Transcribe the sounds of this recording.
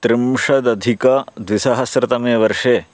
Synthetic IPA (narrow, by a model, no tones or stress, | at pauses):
t̪ɾɪmʂɐd̪ɐd̪ʱikɐd̪ʋisɐɦɐsɾɪt̪ɐmeːʋɐɾʂeː